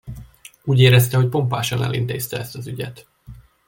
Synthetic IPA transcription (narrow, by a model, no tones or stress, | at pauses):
uːɟeːɾɛst̪ɛɦo̞c̚po̞mpaːʃɒnɛ̰lḭnt̪eːst̪ɛɛst̪ɒzyɟɛt̪